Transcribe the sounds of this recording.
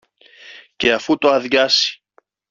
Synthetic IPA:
ce̞ɐfut̪oɐðʝɐsi̥

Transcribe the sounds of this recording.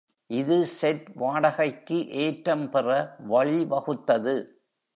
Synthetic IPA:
ʔɪðɯsɛʈʋaːɽɐɣɐɪkːɯʔeːʈɾɐmpɛrɐʋɐɭiʋɐɣɯt̪ːɐðɯ

